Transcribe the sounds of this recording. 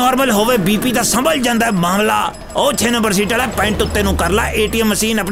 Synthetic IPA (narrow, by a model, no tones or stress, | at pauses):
ɔːɾməlɦoːʋeːbiːpiːd̪aːsəmbəld͡ʒãːnd̪aːmãːmla̰ː | oːt͡ʃʰeːnəmbəɾs̬iːʈəlɛːpɛ̃ɪɳʈʊt̪ːeːnũːkəɾla̰ːʔeːʈiːɛmːəsiːnəp